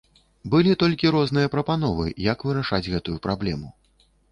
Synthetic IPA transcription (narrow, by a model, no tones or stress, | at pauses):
bɨlʲit̪ɔlʲkʲiɾɔznɨjɐpɾɐpanɔvɨjɐkvɨɾaʂad͡zʲɣɛt̪ujupɾʔablʲɛmu